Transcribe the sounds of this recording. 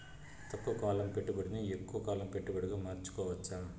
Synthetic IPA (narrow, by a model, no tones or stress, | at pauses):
t̪ɐkːɐkaːlɐmpɛʈːɯpɐɽɯnɯɛkːuʋɐkaːlɐmpɛʈːɯpɐɽɯkɐmaːɾt͡ʃːɯ̥kːoːʋɐt͡ʃːaː